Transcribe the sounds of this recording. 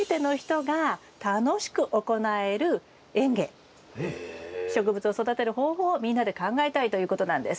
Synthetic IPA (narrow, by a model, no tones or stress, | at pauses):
et̪e̞no̞çi̥t̪o̞ɡa | t̪ano̞ɕi̥kɯ̟ʔo̞ko̞nae̞ɾɯ̟ | ẽ̞ŋɡẽ̞̰ | ɕo̞k̬ɯ̟bɯt͡sɨo̞so̞d̪at̪e̞ɾɯ̟ho̞ːɦo̞ːmʲĩnːad̪e̞kãŋɡaet̪ait̪o̞jɯ̟ːko̞t̪o̞nãnd̪esɨ̥